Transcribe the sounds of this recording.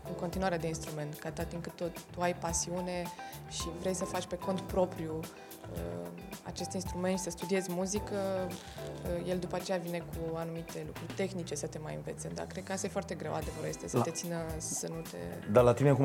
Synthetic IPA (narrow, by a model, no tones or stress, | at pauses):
ɨŋko̞nt̪inuwaɾead̪e̞inst̪ɾume̞nt̪kat̪at̪iŋkɨt̪ːot̪uajpasiune̞ʃivɾe̞jsəfat͡ʃʲpe̞ko̞nt̪pɾo̞pɾju | ə̰ | a̰t͡ʃe̞st̪inst̪ɾumeʃisəst̪ud̪ie̞zʲmuzikə | əje̞ld̪upəat͡ʃe̞javine̞kʰuanumit̪e̞lukɾurʲt̪e̞xnit͡ʃe̞sət̪e̞ma̰jɨ̰nve̞t̪sʲed̪a̰kɾed̪̚kəast̪ajefoart̪e̞ɡɾe̞wa̰d̪e̞vəɾoest̪esət̪e̞t̪sinəənut̪ḛd̪alat̪ineku